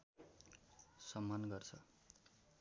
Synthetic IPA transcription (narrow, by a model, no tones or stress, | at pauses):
sʌmːanɡʌrt͡sʰʌ